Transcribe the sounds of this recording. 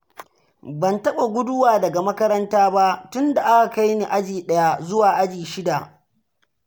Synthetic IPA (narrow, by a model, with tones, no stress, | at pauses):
bɐ˨ntɐ˦ɓa˨ɡʷʊ˦dʊ˦waː˨dɐ˨ɡa˨mɐ˦kɐ˦ɾɐ˦ntaː˦ba˦ʔtʊ˦nda˨ʔa˦ka˨ka˦jni˨ʔa˦d͡ʒiː˨ɗɐ˦ja˦zʊ˦waː˨ʔa˦d͡ʒiː˨ʃɪ˦da˨ʔ